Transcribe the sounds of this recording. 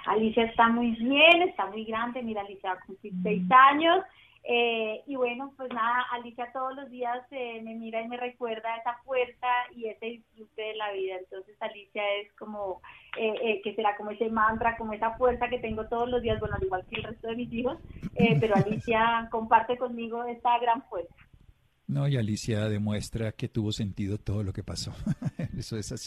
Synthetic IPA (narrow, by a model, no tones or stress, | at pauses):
a̰lisjaest̪amujβje̞ne̞st̪amujɡɾand̪e̞miɾaːlisjaβakumpliɾse̞jsaɲo̞s | eiβwe̞no̞pwe̞znaðaʔalisjat̪o̞ð̞ozlo̞zd̪iaseme̞miɾaime̞re̞kwe̞ɾðae̞safwe̞ɾsaie̞seðisfɾut̪e̞ðelaβiðaent̪o̞nse̞salisjae̞sko̞moeʔeke̞se̞ɾako̞mo̞e̞se̞mant̪ɾako̞moe̞safwe̞ɾsake̞t̪e̞ŋɡo̞t̪o̞ð̞ozlo̞zd̪iazbwe̞noaliɣwalkelre̞st̪o̞ðe̞misiho̞sepe̞ɾoalisjako̞mpaɾt̪e̞ko̞nmiɣo̞e̞saɣɾaɱfwe̞ɾsḁ | noialisjaðe̞mwe̞st̪ɾake̞t̪uβo̞se̞nt̪iðo̞t̪o̞ð̞o̞lo̞ke̞paso̞esoesasi